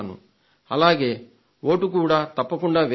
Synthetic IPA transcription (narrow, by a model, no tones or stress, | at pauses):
nṵ | ɐlaːɡe̞ː | wo̞ːʈukuːɽaːt̪ɐpːɐkuɳɖaːʋe